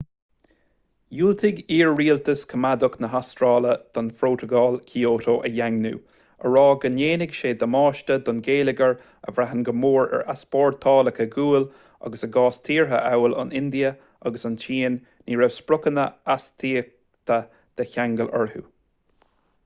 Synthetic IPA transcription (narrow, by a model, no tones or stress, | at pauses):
juːlt̪ʰɪɡiːɹːiːlt̪əskʰəmad̪ʊknəɦastɹɑːləd̪̥ɔnfɾoːtəɡɑːlkʰiːoːtoːʔəjaŋnṵː | əɹɑːɡəneːnɪɡʃeːd̪əmɑːʃtəd̪ɔnɡeːlɪɡəɹ | ə̰vɾaɦənɡəmoːɹɛ̰ɹaspɔːɹt̪ʰɑːləkʰəɡuːl | ɑ̰ɡəsəɡɑːst̪ʰiːɹɦə̰ʔawəlɑ̰nɪnd̪iə | ɑɡəsɑnt͡ʃʰiːnː | iːɹɛvspɹʊkənəast̪ʰiːk̚ | t̪ʰə | d̪̥əçaŋɡələ̰ɹhṵː